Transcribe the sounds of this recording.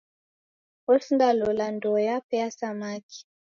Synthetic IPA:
ɔsndalɔlandɔjapɛasamaki̥

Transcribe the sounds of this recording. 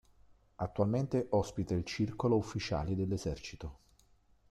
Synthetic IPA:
at̪ːualment̪eʔɔspit̪ailt͡ʃirkoloufːit͡ʃa̰ːled̪elːezɛrt͡ʃit̪o

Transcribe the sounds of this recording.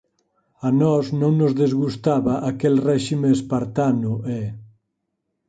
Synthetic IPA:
anɔznõŋnozðezɣust̪aβaʔakɛlrɛʃimeːspaɾt̪anuʔɛ

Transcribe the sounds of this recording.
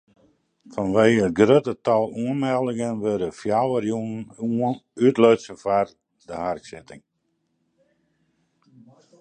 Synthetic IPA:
fɔnʋeːəət̚ɡrøtətɔlˠuənmɛlˠɪŋənʋødəfjawərjunnunytløːsənfar | dəharksɪtɪ̰ŋ

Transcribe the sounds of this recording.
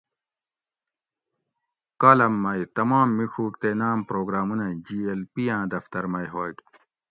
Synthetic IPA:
kaːlɐmːɐjt̪ɐmaːmːiʂʰuːkt̪enaːmpɾoːɡɾaːmunɐd͡ʑiːelpijãːd̪ɐft̪ɐɾmɐjɦoːɡ̪

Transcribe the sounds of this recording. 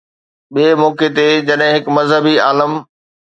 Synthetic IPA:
ɓiemoːket̪ed͡ʑɐɗɦɪ̃ɦɪkmɐzɦəbiaːləm

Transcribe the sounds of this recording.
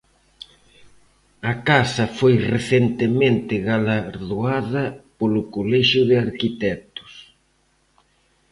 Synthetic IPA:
ɐkasɐfojreθent̪emẽnt̪ɪɣalaɾðuaðɐpolʊkolɛʃʊðɪaɾkit̪ɛt̪ʊ̥s

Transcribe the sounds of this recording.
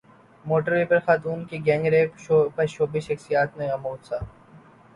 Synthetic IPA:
moːʈəɾʋeːpɐɾxaːt̪uːnkiɡɛ̃ːŋɡɾeːopɐɾʃoːbiʃɐxsijaːt̪mẽɣɐmoːt̪saː

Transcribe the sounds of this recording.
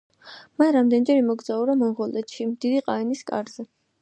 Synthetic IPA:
manɾamd̪ɛnid͡ʒɛɾimɔɡd̪zauɾamɔnʁɔlɛt̪ʃimd̪̥id̪iqʼaɛniskʼa̰ɾz̥ɛ

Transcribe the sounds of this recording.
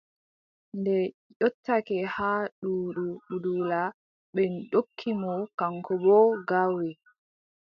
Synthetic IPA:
ndɛ | jɔtʰːakɛhaɗuːɗuɓudula | ɓɛnɗokʰːimɔkaŋkɔbɔɡawɛ

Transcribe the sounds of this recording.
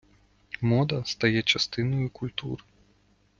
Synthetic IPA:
mɔd̪ɐst̪ajɛt͡ʂast̪ɨnɐjukulʲt̪ṵɾ

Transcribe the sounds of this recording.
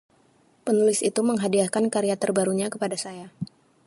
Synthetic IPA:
pənulɪsit̪uməŋɦadiakankaɾiat̪ərbaɾuɲakəpadasaja

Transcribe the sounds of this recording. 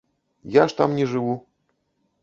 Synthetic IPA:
jaʂt̪a̰mnʲɛʐɨvu

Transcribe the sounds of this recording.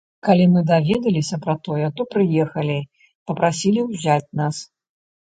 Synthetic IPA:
kalʲimɨd̪avʲɛd̪ɐlʲisʲɐpɾɐt̪ɔjɛt̪ɔpɾɨjɛxɐlʲi | pɐpɾasʲilʲiwzʲat͡sʲnas

